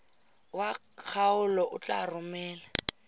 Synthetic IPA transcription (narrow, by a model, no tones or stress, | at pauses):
wa | k͡xʰaʊlɔʔʊt͡ɬʼa̰rʊmɛːla